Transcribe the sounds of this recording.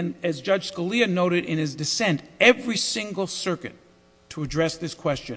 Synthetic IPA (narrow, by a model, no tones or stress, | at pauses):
nɨzd͡ʒʌ̥ʒ̥skəliɨnoʊɾɨɾʔɪ̃nɨzdɨsɛ̃ntɛvɹisɪ̃ŋɡl̩ˠsɜ˞kɨ̰tʰ | əɨdɹɛsðɪskʰw̥ɛst͡ʃɨ̃n